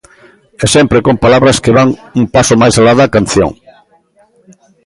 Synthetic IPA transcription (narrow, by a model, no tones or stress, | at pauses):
ɛsɛmpɾekompalaβɾɐskeβaŋuŋpasomajsalaðɐkanθjo̰ŋ